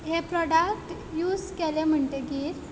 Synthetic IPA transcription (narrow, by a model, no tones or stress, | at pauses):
ɦepɾɔɽakʈ | juːd͡zkelem̤əɳt̪eɡiːɾ